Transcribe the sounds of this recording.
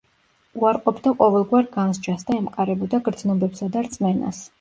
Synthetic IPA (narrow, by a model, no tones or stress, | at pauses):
uaɾqʼɔpʰd̪aqʼɔvɛlˠɡwaɾɡanzd͡ʒasd̪aɛmqʼaɾɛbɔd̪aɡɾd̪znɔbɛbsad̪aɾt̪sʼmɛna̰s